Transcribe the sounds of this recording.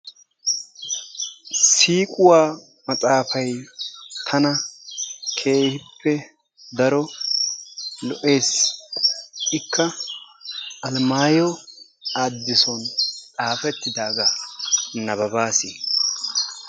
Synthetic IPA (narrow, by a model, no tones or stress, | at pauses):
siːkʼʊwaː | mɐt͡sʼaːfɐjt̪ʰɐnɐ | kʰe̞ːhɪpʰːɛ | d̪ɐɾɔ | lɔʔe̞ːs | ɪkːɐ | ʔɐlmaːjɔ | aːd̪ːɪsɔnt͡sʼaːfɛt̪ːɪd̪aːɡa | nɐbɐbaːsɪ